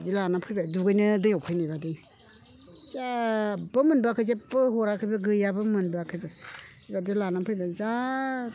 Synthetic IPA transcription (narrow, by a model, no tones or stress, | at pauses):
dilanapʰɯjbajduɡɯjnɯdɯjɔkʰɯjnabadɯ | zabɯmɯnbakʰɯzabɯhɔɾakʰɯjbɯɡɯjabɯmɯnbakʰɯjbɯ | badilanapʰɯjbaza